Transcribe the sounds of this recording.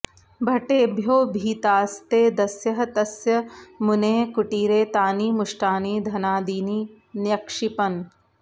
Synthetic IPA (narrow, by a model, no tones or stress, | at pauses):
bʱɐʈeːbʱjoːbʱiːt̪aːst̪eːd̪ɐsjɐɦt̪ɐsjɐmʊneːkʊʈiːɾeːt̪aːniːmʊʃʈaːniːd̪ʱɐnaːd̪iːniː | njɐkʂɪpɐn